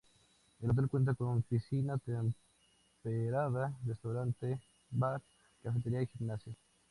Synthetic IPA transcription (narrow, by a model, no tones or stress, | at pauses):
elot̪elkwent̪̬akonnfisinat̪em | peɾaðarest̪awɾant̪e | baɾ | kafet̪eɾiaiximnasjo